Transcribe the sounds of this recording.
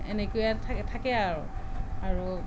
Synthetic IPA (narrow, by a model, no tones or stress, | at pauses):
ɛ̰nekojatʰatʰakɛaɹʊaɹu